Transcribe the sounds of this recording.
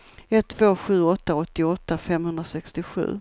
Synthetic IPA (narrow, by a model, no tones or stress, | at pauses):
ɛt̪ʰːvoːɧʉ̟ːɔt̪ːaɔt̪ːɪɔt̪ːafɛmhɵnd̪ɾasɛkst̪ɪɧʉ̟̰ː